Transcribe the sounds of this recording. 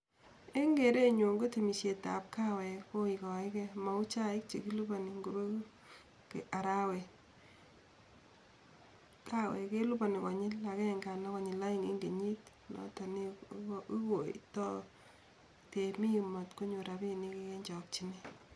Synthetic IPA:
e˦ŋɡe˨ɾe˦ɲo˨ŋɡo˦te˨mi˨se˨ta̰˨p̚ka˦wɛ˨ko˦i˨kɔ˨ɪ˦kɛ˦ma˨u˦t͡ʃa˦ɪ˦k̚t͡ʃe˨ki˦lu˦ba˨ni˨ŋɡo˨bo˦ | ke˨a˨ɾa˦wɛ˨ | ka˦wɛ̰˨ke˦lu˦ba˨ni˨kɔ˨ɲɪ˦la˨kɛ˦˨ŋɡa˨na˦kɔ˨ɲɪ˨la˦i˦ŋḛ˦ŋɡe˨ɲi˦t | lɔ̰˦ta˨ni˦i˦ko˨ḭtɔ˦ | te˨mi˦mɔ˨tko˦ɲu˨ɾa˨bi˦˨ni˦ke˦ke˦ɲd͡ʒɔ˨k̚t͡ʃi˦ni˦

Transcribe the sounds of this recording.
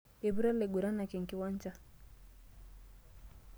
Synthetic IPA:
e˨βu˦ɾa˦lɛ˨ɡu˨ɾa˦na˨kɛ˨ŋ̩˨ki˨˦wa˦ɲ˦t͡ʃa˦

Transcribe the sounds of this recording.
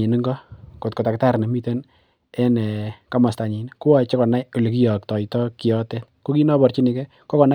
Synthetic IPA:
i˨ni˦ŋɡɔ˦ko˨tko˨ta˨kta˦ɾne˨mi˦te˦n | ɛ˦nɛ˨ka˦ma˨sta˨ɲi˨nku˦a˨t͡ʃe˦kɔ˨na˦jo˨li˨ki˦jɔ˨k̚tɔ˨jtɔ˦ki˨jɔ˦te˦t̚ko˦ki˦nɔ˦bɔ˨rt͡ʃi˦ni˨kɛ˦ | kɔ˦kɔ˨na˦

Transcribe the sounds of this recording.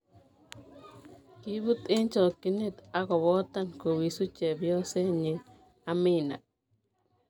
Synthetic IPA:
ki˦bu˦t̪ɪ˦nt͡ʃɔ˨kːi˦ne˦t̪a˦kɔ˨βɔ˦t̪a˦nko˨wi˨su˦t͡ʃɛ˨bjɔ˦se˦ɲɪ˨ | a˦mɪ˦na̰˨

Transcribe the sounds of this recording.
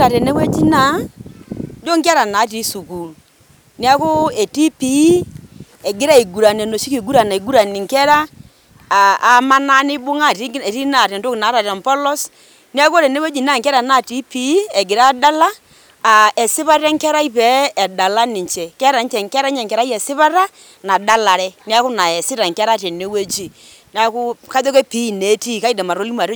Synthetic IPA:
a˨ɾɛ˨nɛ˦kwɛ˦d͡ʒi˦na˦ | d͡ʒo˦ŋkɛ˦ɾa˨na˨˦ti˨˦su˨ku˨l | ni˦a˦ko˦ɛ˨ti˦pi˨˦ | ɛ˨ɡɪ˦ɾa˦i˨ɡu˨ɾa˨n˨ɛ˨no˨ʃi˦ki˨ɡu˦ɾa˨na˨i˨ɡu˦ɾa˨nɪ˨ŋkɛ˦ɾa˦˨ | a˨˦ma˦na˦nɪ˦bʊ˦ŋa˦˨ti˦˨ti˦na˨ɾɛ˨nto˦kna˨˦ɾa˨ɾm˨pɔ˦lɔ˦s | ni˦a˦kɔ˦ɾɛ˨ne˦we˦d͡ʒi˨n˦a˦˨ŋkɛ˦ɾa˨na˦˨ti˦pi˨˦ɛ˨ɡɪ˨ɾa˦da˦la˦ | a˨ɛ˨sɪ˦pa˦ɾɛ˦ŋkɛ˦ɾa˦i˦pɛ˨˦ɛ˨da˨la˦nɪ˨t͡ʃɛ˨kɛ˦ɾa˨n˦t͡ʃɛ˨ŋkɛ˦ɾa˦ɲɛ˨ŋkɛ˨ɾa˦i˦ɛ˨sɪ˦pa˦ɾa˦ | na˨da˦la˨ɾɛ˦ni˦a˦kʊ˦na˨ɛ˨sɪ˦ɾa˨ŋkɛ˦ɾa˦tɛ˨ne˦we˦d͡ʒi˨ | n˦a˦kʊ˦ka˦ðɔ˦kɛ˦pi˨˦˨ne˨˦ti˦˨ka˦i˦dɛ˨ma˨ɾo˦li˦ma˨ɾ

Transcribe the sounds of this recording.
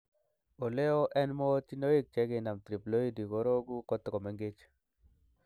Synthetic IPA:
o˨le˦ɔ˦ʔɛ˦nmɔ˦ti˦no˦i˦k̚t͡ʃɛ˦ɡe˨na˨mt̪ɾi˨plo˦i˦di˨kɔ˦ɾo˦ɡu˦kɔ˦t̪kɔ˨me˨˦ŋɡe˦t͡ʃ

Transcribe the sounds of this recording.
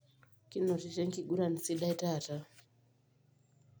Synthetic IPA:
ki˦nɔ˨ti˨t͡ʃɛ˦ŋki˦˨ɡu˦ɾa˨ni˨si˦ɗa˦i˦ta˦˨ta˦

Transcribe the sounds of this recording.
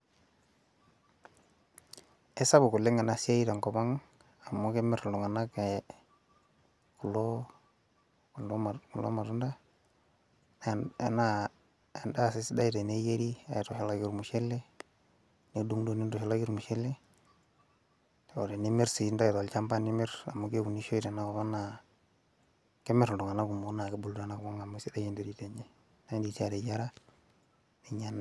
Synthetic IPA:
e˦sa˦bʊ˨ku˨lːe˦ŋa˨na˨si˦a˦i˦ta˨ŋkɔ˨ma˦ŋ | a˨mːo˦ke˦mɪ˦ɾlu˨ŋa˨na˦ke˨ | ku˨lo˦˨ | ndɔ˦ma˨ku˨lo̰˦ma˨ɾu˦nda˦ | na˦ | e˨nda˦sɪ˦sda˦jte˨ne˦je˦ɾi˦a̰˨jtɔ˨he˨la˦ɡi˨ɾmu˨ʃe˦lːe˦ | ne˨˦du˦ŋdo˨ni˦ndɔ˨he˨la˦ɡi˦ɾmu˨ʃi˦lːe˦˨ | o˨ɾe˨ni˦mi˦ɾsi˨˦nda˦i˨to˨lt͡ʃa˦mba˦ni˦mɪ˦ɾa̰˨mo˦ke˦ku˨ni˦ʃo˦i˨te˨na˦ko˨βa˦na˨ | ke˦me˨ɾdu˨ŋa˨na˦ku˨mu˨˦na˨ke˦bu˨lɾa˨na˦ko˦ŋa˨mo˦si˦da˦je˦nde˦ɾi˨te˨ɲe˦ | na˦ndi˨ta˦˨de˨ja˦ɾa˦ | ni˨ɲa˨n

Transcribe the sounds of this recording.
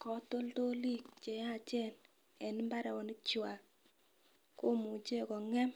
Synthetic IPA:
kɔ˨to˦lto˦li˦k̚t͡ʃɛ˨ja˦˨t͡ʃɛ˦˨n | ɛ˨nɪ˦mba˦ɾɛ˨wɔ˨nɪ˦t͡ʃwa˨k | ko˦mu˨t͡ʃe˦kɔ˨ŋɛ˦m

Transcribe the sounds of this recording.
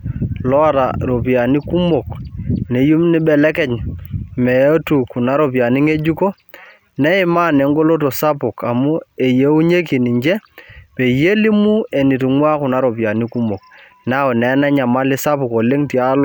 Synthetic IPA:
lɔ˦a˨ta̰˨ɾo˨pi˨a˨ni˦ku˦mo˨kne˨ju˦mnɪ˦bɛ˨lɛ˦kɛ˨ɲmɛ˨o˦tu˨ku˨na˦ɾo˨pi˨a˨ni˦ŋe˦d͡ʒu˦ko˦ | nɛ˦ɪ˦ma˦˨ne˨˦ŋɡo˦lo˦to˨sa˦pʊ˨ka˨mu˦e˨je˦u˦ɲe˦ki˨ni˨ɲd͡ʒɛ˦pe˨je˦li˦mu˦e˨ni˨tu˨ŋwa˦kʊ˨na˦ɾo˨pja˨ni˦ku˦mo˨k | n˦a˦ɔ˨nɛ˨˦nɛ˦ɲa˨ma˦lɪ˦sa˦pʊ˨ko˨le˦ŋti˨a˦lɔ˨

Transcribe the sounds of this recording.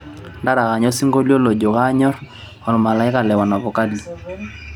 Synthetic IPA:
nda˦ɾa˨ka˨ɲɔ˦si˦ŋɡo˦ljo˦lo˨d͡ʒo˨ka˦ɲɔ˦r | ɔ˨lma˨la˨ɪ˦ka˨lɛ˨wa˨na˨βɔ˨ka˦li˨

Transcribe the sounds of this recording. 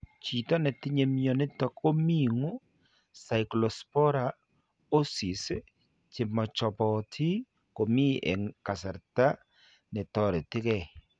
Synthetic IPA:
t͡ʃi˨tɔ˦nɛ˨tɪ˦ɲe˨mjɔ˨nɪ˦tɔ˦ko˦mi˦˨ŋo˦ | sa˨i˨klɔ˨spɔ˦ɾa˨ | o˦si˨s | t͡ʃɪ˨mɔ˨t͡ʃɔ˨pɔ˨tʰi˦ | ko˨mi˦ʔɛ̰˨ŋka˨sa˨ɾta˦ | nɛ˨tɔ˨ɾɛ˨ti˦kɛ˦˨

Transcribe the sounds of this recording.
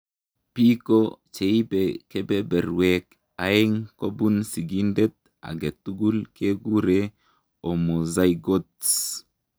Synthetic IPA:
pi˦ko˦t͡ʃe˨i˦beke˦bɛ˦bɛ˨ɾwɛk | a˨ɪ˦ŋko˦bu˦nsi˨ɡi˦ndɛ˦t̪̚ | a̰˨ɡe˨t̪u˦ɡu˦lke˦ɡu˦ɾe | o˨mo˨za˦iɡo˦ts

